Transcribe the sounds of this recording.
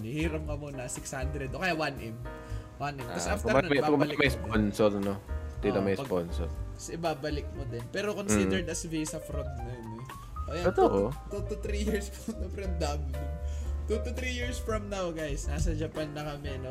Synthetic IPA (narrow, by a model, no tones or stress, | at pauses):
nihiːɾɐp̚ŋɐmonɐsɪkshand̪ɾɛd̪okɐjawanʔɛm | wanʔɛmɐsʔaft̪ɛɾɐnbakmbɐlɪmɐjsdponsolɐnod̪iɐmɐjsɐponso̰lɐsʔɪbaːbɐlɪk̚mod̪ɛnpɛːɾokonsid̪ɛɹd̪ɐsvijsɐfɾod̪̚nonɛ | ʔɐjaɛt̪oʔot̪ut̪ut̪ɾijiɹsfɐmnɐfɾɐmd̪ablɪt̪ut̪ʊt̪ɾijiɹsfɹɐmnawɡajsnaːsɐd͡ʒɐpanːɐkɐmɛno